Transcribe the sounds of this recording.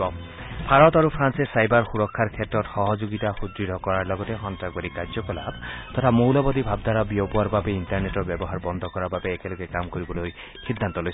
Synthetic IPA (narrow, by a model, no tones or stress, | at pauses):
ɔ | bʱaɾɔt̪aɾupʰɾansesajbaɾxuɾɔkʰːaɾkʰetɾɔtxɔɦɔd͡ʒoɡit̪axud̪ɾiɾʱɔkɔɾaɾlɔɡɔt̪exɔntɾaɡ̚baɾikaɾd͡ʒɔkɔla̰bt̪ɔt̪ʰamowlɔbɔd̪ibʱabd̪ʱaɾɔbiopuaɾbabeinʈaɾneʈɔbjɔbɔɦaɾbɔnd̪ʱɔkɔɾababeːkelɔɡekamkɔɾibɔloj | xid̪ʱːant̪ɔlojs